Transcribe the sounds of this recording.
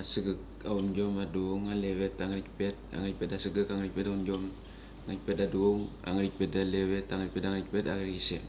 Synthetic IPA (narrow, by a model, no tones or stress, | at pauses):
asɨɡak | aunɡomaduoŋaleβetaŋaɾik̚pe̞t̚a̰ŋɾik̚petasɨɡɨkaŋɾik̚petaunɡom | aŋɾik̚pet̚daduoŋ | a̰ŋɾik̚pet̚daleβetaŋɾik̚petaŋɾik̚petaɡɾiisḛ